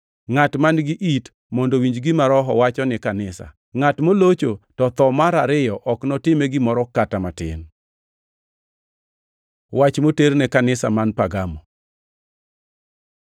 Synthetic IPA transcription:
ŋatmanɡɪʔit | mɔndowiɲd͡ʒɡɪmaɾɔɦɔ̰wat͡ʃɔnɪkanɪsa̰ | ŋatmolot͡ʃotɔt̪ɔmaɾaɾɪjɔʔɔknɔtɪmɛɡɪmɔɾɔkatamatɪ̰n | wat͡ʃmoteɾnɛkanɪsa̰manpaɡamɔ

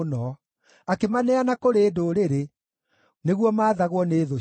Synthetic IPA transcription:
nɔ | akemanɛanakoɾeːdoɾeɾe | neɣwɔmaːðaɣwɔneːðo

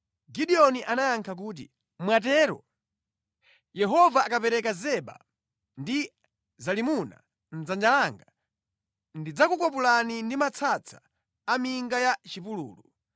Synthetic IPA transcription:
ɡiɗiɔniʔanajaŋkʰak̬uːt̬ḭ | mwatɛːɾɔ̰ | jɛɦɔvaːkapɛɾɛkazɛɓa̰ | ndi | zalimuna̰ | n̩zand͡ʒalaŋɡa | ndid͡zakukɔpulanindimat͡sʰat͡sʰḁː | miŋɡajat͡ʃipulṵːlu

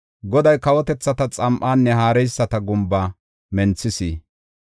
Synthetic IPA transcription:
ɡɔd̪ɐjkɐwɔt̪ɛt͡sːɐt̪ɐt͡sʼɐmʔaːnːɛɦaːɾɛjsːɐt̪ɐɡʊmbaː | mɛnt͡sːɪsiː

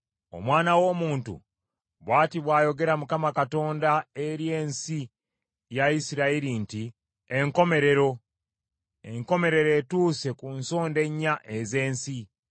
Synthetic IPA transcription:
o̞̰mwaːnawo̞ːmuːntṵ | βwaːtiβwaːjo̞ɡe̞ɾamukamakato̞ːndaeɾje̞ːnsi | jaisiɾaiɾinti | eŋko̞me̞ɾe̞ɾo̞ | ḛŋko̞me̞ɾe̞ɾe̞ːtuːse̞kunso̞ːnde̞ɲːaʔeze̞ːnsi

